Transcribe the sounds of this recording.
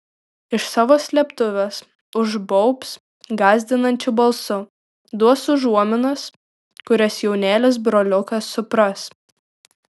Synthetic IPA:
ɪʃsɑːʋoːsʲlʲɛpt̪ʊʋʲɛs | ʊʒbɔʊps | ɡɑːzʲd̪ʲɪnɐnʲt͡ʃʲʊbɐlˠsʊ | d̪uɔsʊʒuɔmʲɪnɐs | kʊɾʲɛsjɛʊnʲæːlʲɪs̬bɾoːlʲʊkɐsːʊpɾɐs

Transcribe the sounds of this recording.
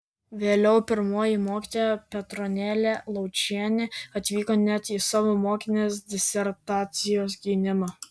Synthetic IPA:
ʋʲeːlʲɛʊpʲɪɾmoːjɪmoːkʲiːt̪oːjɛpʲɛt̪ɾɔnʲæːlʲelˠɒʊt͡ʃʲæːnʲeɐt̪ʲʋʲiːkoːnʲæt̪iːsɑːʋoːmoːkʲɪnʲeːs̬d̪ʲɪsʲɛɾt̪ɑːt̪sʲɪjoːs̬ɡʲɪːnʲɪmɑ

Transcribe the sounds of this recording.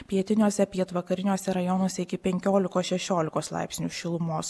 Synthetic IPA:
pʲiɛt̪ʲɪnʲuːsʲɛpʲiɛt̪ʋɐkɐɾʲɪnʲuːsʲɛɾɐjɔnoːsʲɛɪkʲɪpʲɛŋʲkʲoːlʲɪkoːsʃʲɛʃʲoːlʲɪkoːslˠɑ̰ˑɪpʲsʲnʲuːʃʲɪlˠʊmoːs

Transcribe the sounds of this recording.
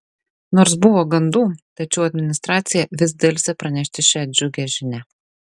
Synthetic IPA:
noːɾs̬bʊʋoːɡɐnd̪uːt̪ɐt͡ʃʲɛʊɐd̪ʲmʲɪnʲɪst̪ɾɑːt̪ʲsʲɪjɛʋʲɪz̬ʲd̪ʲelʲsʲɛpɾɐnʲɛʃʲt̪ʲɪʃʲɛɐd̪̚ʲd͡ʒʲʊɡʲeʒʲɪnʲæ

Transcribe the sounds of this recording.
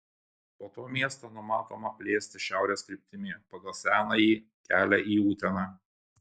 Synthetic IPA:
poːt̪oːmʲiɛst̪oːnʊmɑːt̪oːmɐpʲlʲeːsʲt̪ʲɪʃʲæˑʊɾʲeːskɾʲɪp̚ʲt̪ʲɪmʲeːpɐɡɐlˠsʲæːnɑjiːkʲæːlʲɛʔiːuːt̪ʲɛnɑː

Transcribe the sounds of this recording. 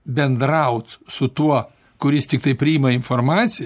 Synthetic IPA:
bʲɛnd̪ɾɐʊt̪sʊt̪uɔ | kʊɾʲɪst̪ʲɪkt̪ɐɪpʲɾʲɪiːmɐɪnformɑːt̪sʲɪj

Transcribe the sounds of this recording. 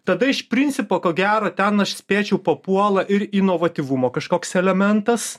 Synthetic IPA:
t̪ɐd̪ɐɪʃpʲɾʲɪnʲt͡ssʲɪpoːkoːɡʲæːɾoːt̪ʲɛnɐʃsʲpʲeːt͡ʃʲɛʊpɐpuɔlˠɐʔɪɾinoːʋɐt̪ʲiːʋumoːkɐʃkoːksɛlʲɛmʲɛnt̪ɐs

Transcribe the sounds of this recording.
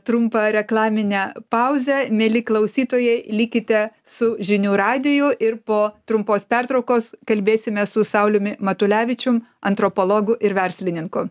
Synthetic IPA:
t̪ɾʊmpɐɾʲɛklˠɑːmʲɪnʲɛːpɐʊzʲɛmʲeːlʲɪklˠɐʊsʲiːt̪oːjɛɪlʲikʲɪt̪ʲɛ | sʊʒʲɪnʲuːɾɑːd̪ʲɪjʊʔɪɾpoːt̪ɾʊmpoːspʲæɾt̪ɾɐʊkoːskɐlʲbʲeːsʲɪmʲɛsʊsɐʊlʲʊmʲɪmɐt̪ʊlʲæːʋʲɪt͡ʃʲʊmɐnt̪ɾopoːlˠoːɡʊʔɪɾʋʲɛɾʲsʲlʲɪnʲɪŋkʊ

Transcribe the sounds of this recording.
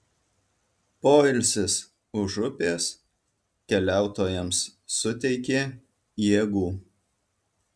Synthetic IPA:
poːɪlʲsʲɪs | ʊʒʊpʲeːs | kʲɛlʲæˑʊt̪oːjɛmsːʊt̪ʲɛɪkʲeː | jeːɡuː

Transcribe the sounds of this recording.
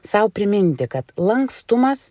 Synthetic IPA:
sɐʊpʲɾʲɪmʲɪnʲt̪ʲɪkɐt̪lˠɐŋkst̪ʊmɐs

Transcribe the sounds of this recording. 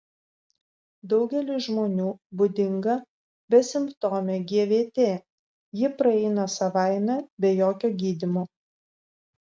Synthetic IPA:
d̪ɒʊɡʲɛlʲɪʒmoːnʲuːbʊd̪ʲɪŋɡɐ | bʲɛsʲɪmpt̪oːmʲeɡʲiɛʋʲeːt̪ʲeː | jɪpɾɐɛɪnɐsɐʋɑˑɪmʲɛbʲɛjoːkʲoːɡʲiːd̪ʲɪmoː

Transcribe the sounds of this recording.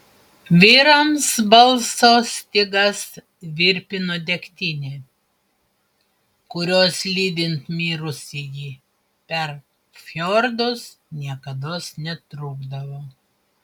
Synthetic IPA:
ʋʲiːɾɐmsbɐlˠsoːst̪ʲɪɡɐs | ʋʲɪɾʲpʲɪnod̪ʲɛkʲt̪ʲɪnʲeː | kʊɾʲoːslʲiːd̪ʲɪnt̪mʲiːɾʊsʲɪjiː | pʲɛɾ | fʲoɾd̪ʊsnʲiɛkɐd̪oːsnʲɛt̪ɾʊːɡd̪ɐʋoː

